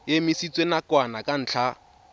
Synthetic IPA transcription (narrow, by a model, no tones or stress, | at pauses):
jemisit͡sʼwenakʼwanakʼan̩ːt͡ɬʰa